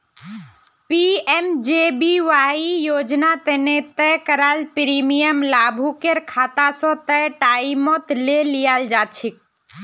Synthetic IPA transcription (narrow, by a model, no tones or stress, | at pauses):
piemd͡ʒebiʋaijoːd͡ʒnat̪ənet̪əkəɾaːlpɾimijəmlabʱukeɾkʰaːt̪asɔ̃t̪əʈaimot̪lelijald͡ʒaːt͡ʃʰik̚